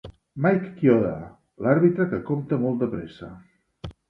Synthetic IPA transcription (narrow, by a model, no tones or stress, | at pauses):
majkːjoða̰ | laɾβit̪ɾəkəkomt̪əmɔlˠt̪əpɾesə̰